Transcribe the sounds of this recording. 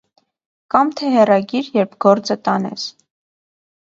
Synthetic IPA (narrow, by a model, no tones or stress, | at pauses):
kɑmt̪ʰɛhɛrɑɡiɾjɛɾpʰɡɔɾt͡sət̪ɑnɛ̰s